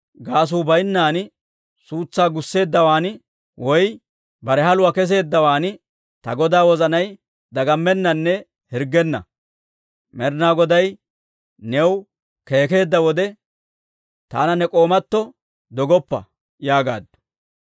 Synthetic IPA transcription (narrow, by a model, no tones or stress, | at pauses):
ɡaːs̬uːbɐjnːaːn | suːt͡sːaːɡʊsːe̞ːd̪ːɐwaːnɪ | wʔɔj | bɐɾɛɦɐlʊwɐkɛs̬e̞ːd̪ːɐwaːnɪ | t̪ɐɡɔd̪aːwɔzɐnɐj | d̪ɐɡɐmːɛnːɐnːɛ | hɪɾɡɛnːɐ̰ | mɛɾnaːɡɔd̪ɐj | nɛw | ke̞ːke̞ːd̪ːɐwɔd̪ɛ | t̪a̰ːnɐnɛkʼoːmɐt̪ːɔ | d̪ɔɡɔpːɐ̰ | jaːɡaːd̪ːʊ̥